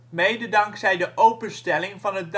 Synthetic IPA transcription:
mejdədɑŋksɛjdəʔowpənstɛlɪŋvɑnɦət̚d

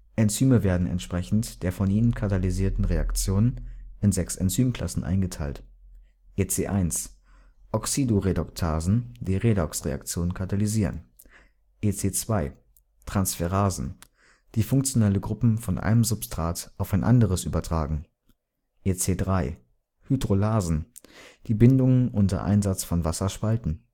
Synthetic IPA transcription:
ʔɛnt͡syːməveːɐdn̩ɛ̰ntʃpʁ̥ɛçn̩td̥eːɐfɔnʔiːnənkʰataliziːɐtn̩ʁea̰kt͡sjoːnənɪnzɛksɛnt͡syːmkʰl̥a̰sn̩ʔa̰ɪnɡətʰaɪlt | ʔet͡seːʔaɪns | ʔɔksidoʁedɔktʰaːzn̩d̥iːʁeːdɔksʁḛa̰kt͡sjoːnənkʰataliziːʁə̰n | ʔeːt͡seːt͡sv̥aɪ | tʁ̥ansfɛʁaːzn̩ | d̥iːfʊŋkt͡sjonɛləɡʁʊpm̩fɔnʔa̰ɪnəmzʊpstʁ̥aːtʔaʊfaɪnʔa̰ndəʁəsʔy̰ːbɐtʁ̥aːɡŋ̩ | ʔeːt͡seːdʁaɪ | hydʁolaːzn̩d̥iːbɪndʊŋənʔʊntɐ̰ʔa̰ɪnzat͡sfɔnvasɐʃpaltn̩

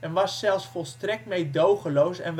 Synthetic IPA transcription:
ɛnʋɑsːɛlˠfsfɔlˠstrɛk̚tmejdowχəlowsɛn

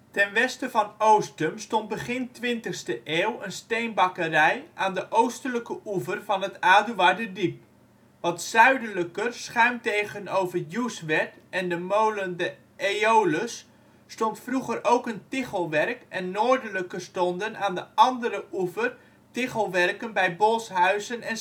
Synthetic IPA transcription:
tɛnʋɛstəvɑnowstəmstɔnd̚bəχɪntʋɪntəχstəʔeːlˠənstejnbɑkərɛjʔaːndəʔowstələkəʔuvərvɑnɦətaːdyʋadədip̚ | ʋɑtsœɥdələkərsχœɥmtejɣənowvəjusʋɛtɛndəmowləndə | ʔeowləsː | tɔntfruχərowkəntɪχəlˠʋɛrkʔɛnːoːɹdələkərstɔndənaːndəʔɑndəɾəʔuvər | tɪχəlˠʋɛrkənbɛjbolˠsɦœɥzənɛn

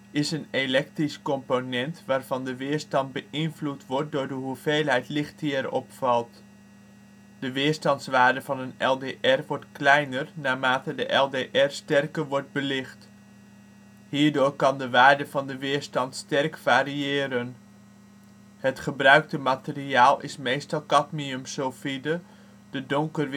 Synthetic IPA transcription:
ɪsənelɛk̚triskɔmponɛntʋaːɹv̥ɑndəʋɪːɹstɑnd̚bəʔɪnvlutʋɔɹt̚dʊːɹdəɦuvejlˠɦɛjtlɪχtiɛɾɔ̰pfɑlˠt | dəʋɪːɹstɑntsʋaːɹdəvɑnənɛlˠdeːʔɛrʋɔɹtklɛjnərnaːmaːtədəʔɛlˠdeʔɛrstɛrkəɹʋɔɹd̚bəlɪχt | ɦiːɹdʊːɹkɑndəʋaːɹdəvɑndəʋɪːɹstɑntstɛrkfaːɾiɪːɾən | ɦətχəbrœɥk̚təmatəriaːlˠɪ̰smejstɑlˠkɑtmiəmsowfidə | d̥ədɔŋkərʋ

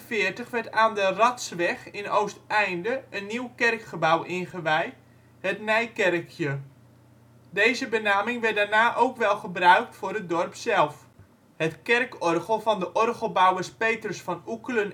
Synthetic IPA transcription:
fɪːrtəχʋɛrtaːndərɑtsʋɛχɪnowstɛjndəʔənːiwkɛrkχəbawʔɪnχəʋɛj | ɦətnɛjkɛrəkʰjə | dejzəbənaːmɪŋʋɛdaːɹnaːʔowkʋɛlˠχəbrœɥk̚tfʊːrət̚dɔrpsɛlˠf | hətkɛrkɔrχəlˠvɑndəʔɔrɣəl̩ˠbawəspeːtrəsfɑnukələn

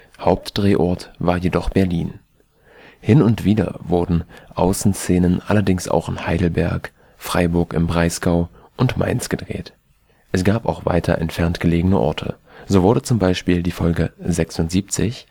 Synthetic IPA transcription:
haʊp̚td̥ʁeːʔɔɐtv̥aːɐjedɔχb̥ɛɐliːn | hɪnʊntv̥iːdɐ̰vʊɐdn̩ʔaʊsn̩st͡seːnənʔa̰lɐdɪŋsʔa̰ʊxɪnhaɪdl̩bɛɐk | fʁ̥a̰ɪbʊɐkɪmbʁaɪsɡ̥aʊ | ʔʊntma̰ɪnsɡ̥əd̥ʁḛːt | ʔɛsɡ̥aːpa̰ʊxv̥a̰ɪtʰɐ̰ʔɛ̰ntfɛɐntɡ̥əleːɡənəʔɔ̰ɐtʰə̰ | zoːvʊɐdət͡sʊmbaɪʃpiːldiːfɔlɡəzɛksʊntz̥iːp̚t͡sɪ̰ç

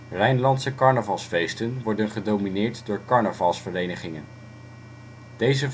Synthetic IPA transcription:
rɛjnlɑntsəkɑɹnəvɑlˠsfejstənʋɔɹdənχədowminɪːɹtdʊːɹkɑɹnəvɑlˠsfərejnəχɪŋən | d̥ejzə

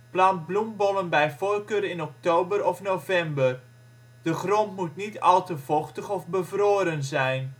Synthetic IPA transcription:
plɑnt̚blumbɔnənbɛjfoːrkøːɾɪnɔk̚towbəɾɔfnowvɛmbər | d̥əχrɔntmutnitɑ̰lˠtəvɔχtəχɔfbəvroːɾənzɛjn

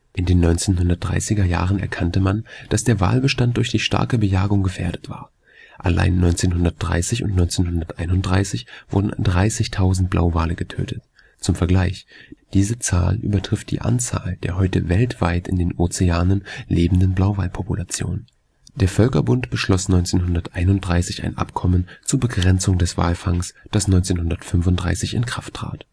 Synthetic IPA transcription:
ʔɪndeːnːɔʏnt͡seːnɦʊndɐtd̥ʁa̰ɪsɪɡɐja̰ːʁənɛ̰ɐkʰantəmand̥asd̥eːɐva̰ːlbəʃtant̚d̥ʊɐçd̥iːʃta̰ɐkəbəjaːɡʊŋɡəfḛːɐdətv̥a̰ːɐ | ʔala̰ɪnːɔʏnt͡seːnɦʊndɐt̚d̥ʁa̰ɪsɪçʊ̰ntnɔʏnt͡seːnɦʊndɐtʔaɪnʊntd̥ʁaɪsɪçv̥ʊ̰ɐdn̩dʁaɪsɪçtʰaʊzn̩t̚b̥la̰ʊvaːləɡətʰø̰ːtʰət | t͡sʊmfɛɐɡlaɪçd̥iːzət͡sa̰ːlʔy̰ːbɐtʁ̥ɪft̚d̥ḭːʔa̰nt͡sa̰ːld̥eːɐɦɔʏtə̰vɛltv̥aɪtɪ̰ndeːnʔoːt͡seaːnənlʔeːbm̩dənblaʊvalpʰɔpulat͡sjo̰ːnn | d̥eːɐfœlkɐbʊntb̥əʃlɔsnɔʏnt͡seːnɦʊndɐtʔaɪnʊntd̥ʁaɪsɪça̰ɪnʔa̰pkʰɔmənt͡suːɐbəɡʁɛnt͡sʊŋdɛsv̥a̰ːlfaŋsd̥asnɔʏnt͡seːnhɦʊndɐtfʏnfʊntdʁaɪsɪçɪ̰nkʁ̥aftʁ̥a̰ːt

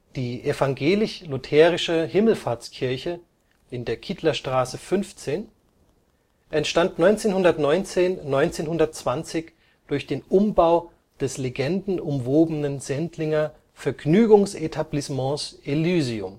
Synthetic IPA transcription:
d̥iːʔefaŋɡeːlɪçlʊtʰɛːʁɪʃəhɪml̩faːɐt͡skʰɪɐçə | ɪndeːɐkʰitʰlɐʃtʁ̥aːsəfʏnft͡seːn | ʔɛntʃtantnɔʏnt͡seːnhʊndɐtnɔʏnt͡seːnnɔʏnt͡seːnhʊndɐt̚t͡sv̥ant͡sɪç | d̥ʊɐçd̥eːnʔʊmbaʊ | d̥ɛsleɡɛndn̩ʊmvoːbənənzɛntʰlɪŋɐ | fɛɐɡnyːɡʊŋsetʰablismɑ̃ːsʔelyːziʊm

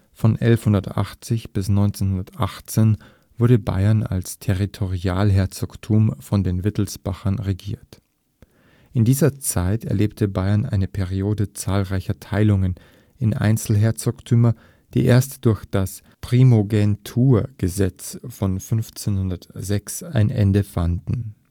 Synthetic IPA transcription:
fɔnʔɛ̰lfhʊndɐtʔa̰χt͡sɪçb̥ɪsnɔʏnt͡senhʊndɐtʔaχt͡seːn | v̥ʊɐɾəba̰ɪɐna̰lstʰeʁitʰoʁiaːlɦɛɐt͡soktʰuːmfɔndeːnvɪtl̩sb̥aχɐnʁeɡiːɐt | ʔɪndiːzɐt͡saɪtɛ̰ɐleːp̚tʰəbaɪɐnʔa̰ɪnəpʰɛʁioːdət͡saːlʁaɪçɐtʰaɪlʊŋən | ɪnʔa̰ɪnt͡sl̩ɦɛɐt͡soktʰyːmɐ | d̥ḭːʔḛːɐstd̥ʊɐçd̥as | pʁ̥imoɡɛntʰuːɐɡ̥əzɛt͡sfɔnfʏnft͡senhʊndɐtz̥ɛksaɪnʔɛ̰ndəfandn̩

